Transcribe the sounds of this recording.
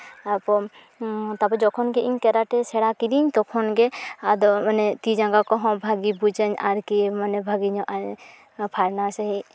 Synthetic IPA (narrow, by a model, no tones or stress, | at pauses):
apɔ | t̪apɔd͡ʒɔkʰɔnɡɛʔiɲkɛɾaʈɛsɛɽakiɾiɲt̪ɔkʰɔnɡɛad̪ɔmanɛt̪id͡ʒãɡakɔɦɔ̃bʱaɡibud͡ʒəɲa̰ɾkimanɛbʱaɡiɲɔ̃ʔaɾ | pʰaɾnasɛɦi